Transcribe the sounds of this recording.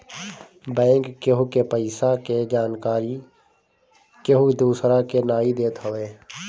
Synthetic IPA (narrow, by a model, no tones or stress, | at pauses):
bɛ̃ːŋkːeɦukepəɪsaked͡ʒaːnkaːɾi | keɦud̪uːsɾakenaːid̪eːt̪ɦəʋeː